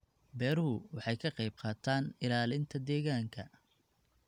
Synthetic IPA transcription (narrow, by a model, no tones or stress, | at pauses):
bɛːɾɦʊwɑħɑjkʰɐqɑjb̚qɑːt̪ʰaːnɪlaːlɪnt̪ʰɐd̪ɛːɣaːŋkʰɐ